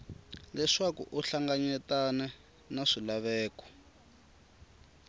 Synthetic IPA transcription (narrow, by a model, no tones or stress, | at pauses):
lɛʂakṵʔuɬaŋɡaɲɛtanɛ | naʂilaβɛːkɔ̥